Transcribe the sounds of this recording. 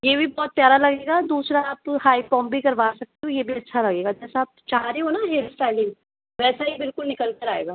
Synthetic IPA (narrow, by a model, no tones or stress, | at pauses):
jeːbʱibɔːt̪̚ːjaːɾalɐɡeːɡad̪uːsɾaːphaːipɔ̃ːmbʱikɐɾʋaːsɐk̚t̪eɦõjebʱiɐtːʃʰalɐɡeːɡad͡ʒɛːsaaːp̚t͡ʃaɦaɾeɦonaɦeːlsʈɛːlɪ̃ŋɡ | ʋɛːsaɦibɪlkʊlnɪkəlkɐɾaːḛːɡaː